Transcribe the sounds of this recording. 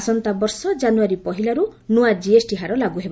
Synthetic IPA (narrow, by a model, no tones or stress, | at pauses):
sɔnt̪abɔɾsɔd͡ʒanuaɾipɔɦilaɾunuad͡ʒiesʈiɦaɾɔlaɡuɦeba